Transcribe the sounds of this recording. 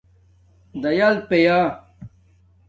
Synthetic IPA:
d̪ɐjalpeja

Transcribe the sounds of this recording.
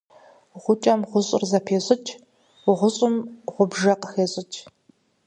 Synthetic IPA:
ʁʷʊt͡ʃʼɐmʁʷʊɕʼɪ̰rzɐpʰeːɕʼɨt͡ʃʰʼ | ʁʷʊɕʼɪmʁʷʊbʒɐqəxeːɕʼɪt͡ʃʼʰ

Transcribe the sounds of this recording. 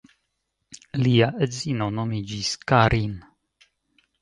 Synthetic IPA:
liaʔɛzinonomid͡ʒiskaɾin

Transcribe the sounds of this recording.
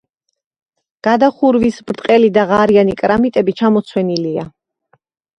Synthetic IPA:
ɡ̥ad̪aχuɾvisbɾt̪ʼqʼɛlid̪aʁaɾianikʼɾamit̪ʼɛbit͡ʃʰamɔt̪sʰwɛnilia

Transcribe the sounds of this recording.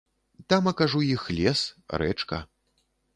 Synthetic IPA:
t̪amɐkaʐujixlʲɛsɾɛ̰t͡ʂkɐ̰

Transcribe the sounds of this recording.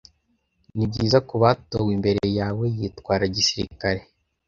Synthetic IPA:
nib̚ɟiːzakuβatowimbe̞ɾejaːwe̞jitwaːɾaɟisiɾḭkaɾe̞

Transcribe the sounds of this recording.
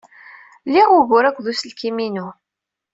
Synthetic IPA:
liʁʊʝʊɾækʷːðusəlkiminu

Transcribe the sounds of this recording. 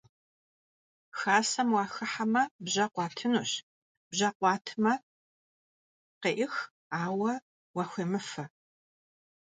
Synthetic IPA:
xaːsɐmwɑːxɐħamɐbʑɐqʷɑːtʰɨnuɕ | b̥ʑɐqʷɑːtʰɨmɐ | qeːʔɪx | aːwɐ | wɑːxʷeːmɨfɐ

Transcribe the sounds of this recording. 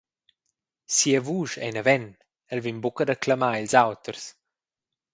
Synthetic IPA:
siəvuːʃɛ̰navɛn | ɛlvinbukəd̪aklamaːilzawt̪ərs

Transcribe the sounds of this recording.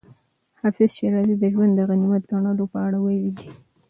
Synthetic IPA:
hɑfɪzʃeɾɑzid̪əʒwand̪əɣanimat̪ɡaɳ̃ɑlopəaɽawejlid̪i

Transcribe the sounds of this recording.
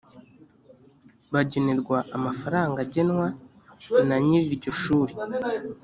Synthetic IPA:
βaɟe̞ne̞ɾɡwaʔamafaɾaːŋɡaɟe̞nwa | naɲiɾiɾɟo̞ʃuːɾe

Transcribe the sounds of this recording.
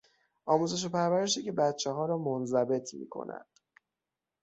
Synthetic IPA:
ʔɒːmuːze̞ʃ̬opʰæɾvæɾe̞ʃ̬iːcebæt̪t͡ʃʰːeɦɒːɾɒːmonzæbe̞t̪ʰmḭːkʰo̰næ̰nd̪̥

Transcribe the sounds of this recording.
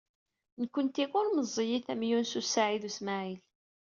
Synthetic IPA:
nəkʷːənt̪iɣʊɾməzˤːijiθæmjunsusaʕiðusmaʕil

